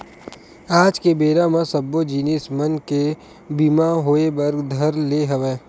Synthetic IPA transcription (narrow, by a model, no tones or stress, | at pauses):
aːd͡ʒkebeːɾamãsɐbːod͡ʒiːnismɐnke | biːmaɦoːebɐɾɡd̪ʱɐɾleɦɐʋeː